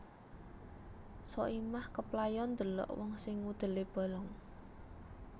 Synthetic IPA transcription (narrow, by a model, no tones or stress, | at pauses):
sɔ̰ʔimahkəplajɔnd̪ə̤lɔ̰ʔwɔŋsɪŋːud̪̥ə̤leb̥a̤lɔŋ